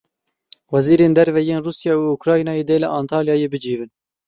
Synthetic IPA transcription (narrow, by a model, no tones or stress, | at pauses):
wɛziːɾeːnd̪ɛɾvɛjeːnruːsjɑːuukɾɑːjinɑːjeːd̪eːlɛʔɑːnt̪ʰɑːljɑːjeːbɨd͡ʒiːvɨn